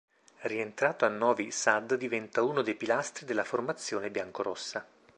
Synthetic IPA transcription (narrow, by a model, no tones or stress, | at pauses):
rient̪ɾaːt̪oanːɔːvisad̪ːd̪ivɛnt̪auːnod̪ejpilast̪ɾid̪elːaformat̪sːjoːnebjaŋkoɾosːa